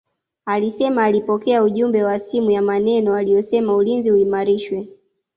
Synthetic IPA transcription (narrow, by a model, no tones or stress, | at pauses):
alisɛmaːlipɔkɛauʄumbɛwasimujamanɛnɔaliɔsɛmaulinzihuimaɾiʃwɛ